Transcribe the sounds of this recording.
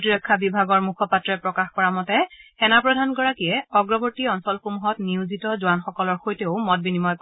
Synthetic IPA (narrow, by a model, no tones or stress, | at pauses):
tiɹɔkʰːabibʱaɡɔɹmukʰɔpatɹɛpɹɔkaxkɔɹamɔtɛxɛnapɹɔdʱanɡɔɹakijɛɔɡɹɔbɔɹtiɔnsɔlxomuɦɔtniuzitɔzuanxɔkɔlɔɹxojteʊmɔt̚binimɔjk